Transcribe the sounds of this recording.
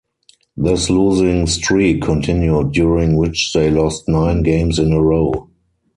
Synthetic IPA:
ðɪsluːzɪ̃ŋstɹiːkʰɔ̃ntʰɪ̃njut̚juɹɪ̃ŋwɪt͡ʃðeɪlɔstnãɪ̃nɡẽɪ̃msɪ̃nəɹoʊ

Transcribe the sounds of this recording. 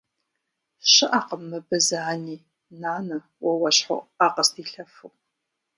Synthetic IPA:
ɕɨʔaːqəmːɨbɨzaniː | naːnɐ | wɐwɐɕħo̰aːqəstʰiːɬɐfu

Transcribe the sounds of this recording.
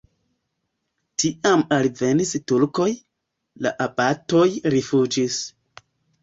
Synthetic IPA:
tiamalve̞nistuɾko̞j | la̰ʔabato̞jɾifud͡ʒis

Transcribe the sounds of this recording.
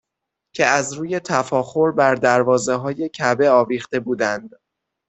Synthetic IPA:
cʰe̞æzɾuːje̞t̪ʰæfɒːxo̞ɾbæɾd̪æɾvɒːze̞ɦɒːje̞cʰæbe̞ɒːviːxt̪e̞buːd̪ænd̪̥

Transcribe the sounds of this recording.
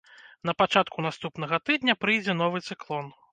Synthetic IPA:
nɐpat͡ʂat̪̚kʰunast̪upnɐɣɐt̪ɨd̪nʲɐpɾɨjd͡zʲɛnɔvɨt̪sɨklˠɔn

